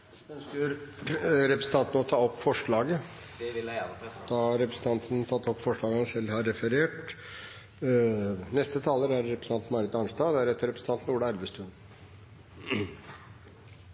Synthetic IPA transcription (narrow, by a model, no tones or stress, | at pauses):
ə | ɾɛpɾsn̩t̪ɑnt̪nəɔt̪ʰɑːɔpːfɔʂɭɑːɡə | d̪ɑhɑɾɾɛpɾəsən̩t̪ɑnt̪n̩t̪ʰɑt̪ːɔpːfɔʂɭɑːɡəhɑnsɛlːhɑɾːɛfəɾeːʈ | nɛst̪ət̪ʰɑːləɾæɾːɛpɾəsn̩ɑnt̪nmɑɾɪt̪ɑnst̪ɑːd̪ɛæɾɛt̪ːəɾɛpɾəsn̩t̪ʰɑnt̪nuːɖəæɾʋəst̪ʉn